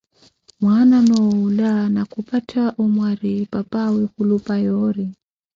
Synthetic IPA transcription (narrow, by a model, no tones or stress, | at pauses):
mwananɔulanakupatʰaʔɔmwaɾipapawikulupajɔɾi